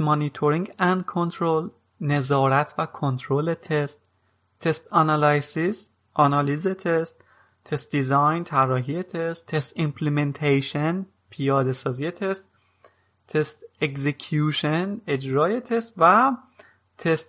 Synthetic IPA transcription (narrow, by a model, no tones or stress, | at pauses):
mɒnit̪ʰoɾĩŋɡænd̪̚kʰont̪ʰɾol | ne̞zɒːɾæt̪ʰvækʰont̪ʰɾoːlet̪ʰe̞st̪ʰː | e̞st̪ænɑlɑjsiz | ʔɒnɒːliːzet̪ʰest̪ʰ | est̪̚d̪izɒjnt̪ʰærːɒːɦijet̪ʰest̪ʰːest̪impʰlement̪ʰejʃen | pʰijɒːd̪e̞sɒːzije̞t̪ʰe̞st̪ːʰ | est̪eɡzekʰjuːʃene̞d͡ʒɾɒːje̞t̪ʰe̞st̪væ | t̪ʰest̪